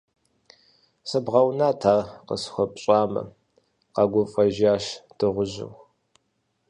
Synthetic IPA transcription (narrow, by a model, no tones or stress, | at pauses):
sɨbʁɐwnaːtʰaːrqə̰sxʷɔpʼɕʼaːmɐ̰ | qɑɡʷʊfʼɐʒaːʃd̥ɨʁʷʊʑɪ̰w